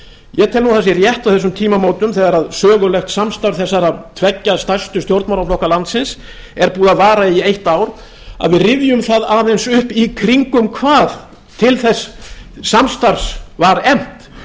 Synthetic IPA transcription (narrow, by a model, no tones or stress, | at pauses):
jɛt̪ʰɛlnuθasɪrjɛht̪awθɛsːʏmt̪ʰiːmamoːwt̪ʏmθɛːɣaɾaðsœːɣʏlɛxt̪samst̪aɾθɛsːaɾaðt̪ʰvɛcːast̪ajst̪ʏst̪jowɾt̪mawɾlaflɔhkalant̪sɪns | ɛɾpuːðaðvaːɾaiejht̪aːwɾ̥ | a̰ðvɪðrɪvjʏmθaðaːðejnsʏhpikʰɾiŋkʏmkʰvaːð | t̪ʰɪlθɛsː | amst̪aɾsvaɾɛm̥t̪